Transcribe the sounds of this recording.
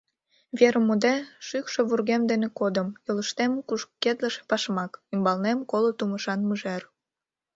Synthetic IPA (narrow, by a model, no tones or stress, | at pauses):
βeɾəmud̪eʃykʃeβurɣemd̪enekod̪əmjoləʃt̪emkuʃkːed̪lə̆ʃe̥pɑʃmɑkymbɑlnemkolot̪uməʃɑnmuʒer